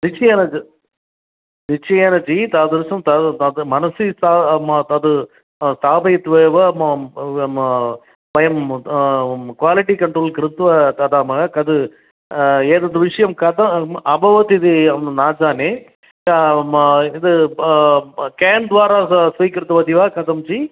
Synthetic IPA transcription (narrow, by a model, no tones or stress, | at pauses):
nɪt͡ʃːɐjaːnɐd͡ʒi | nɪt͡ʃːɐjeːnɐd͡ʒit̪aːd̪ɐɾsɐmt̪ɐɐðɯmɐnɐsist̪aːt̪ɐðɯ | st̪aːbɐjɐt̪ːʋeːʋɐm | bɐjɐm | kʋaːlɪʈikɐɳʈɾoːlkɾɪt̪ːʋɐt̪ɐd̪aːmɐɐkɐd̪ɯ | eːðɐd̪ɯʋɪʂɐjɐmkɐt̪ɐɐbʱɐʋɐt̪iðiɐmnaːd͡ʒaːne | ɪðɯ | keːnd̪ʋaːɾaːsɐkːɪɾɐt̪ːɐʋɐd̪iʋaːkɐðɐmt͡ʃi